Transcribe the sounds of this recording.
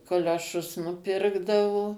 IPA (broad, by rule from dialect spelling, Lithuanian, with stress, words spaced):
koːlʲoːˈʃʊs nʊˈpʲɪrɡdɐʋoː